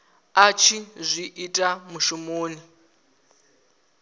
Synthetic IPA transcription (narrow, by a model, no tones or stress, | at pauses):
at͡ʃʰizʷiʔitʼamuʃumoːni